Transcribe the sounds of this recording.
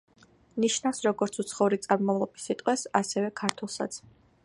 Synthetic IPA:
niʃnafsɾɔɡɔɾt̪sʰut̪sʰχɔuɾit̪sʼaɾmɔvlˠɔbisit̪ʼqʼwɛsasɛvɛkʰaɾt̪ʰwɛlˠsa̰t̪sʰ

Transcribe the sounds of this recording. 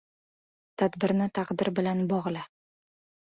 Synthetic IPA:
t̪ʰad̪bɪɾnɪt̪ʰaqd̪ɪɾbɪlanbɒʁlˠa

